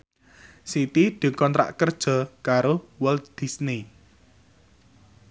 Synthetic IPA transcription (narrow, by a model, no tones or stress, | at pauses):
sit̪id̪̥ṳkɔnɾa̰ʔkərd̥ʒ̥ɔ̤kaɾowəld̪̥i̤sni